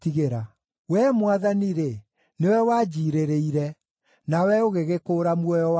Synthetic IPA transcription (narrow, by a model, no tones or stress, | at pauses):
tiɣeɾa | wɛmwaðaniɾe | newɛwaːd͡ʑiːɾeɾeiɾɛ | nawɛoɣeɣekoːɾamwɔjɔ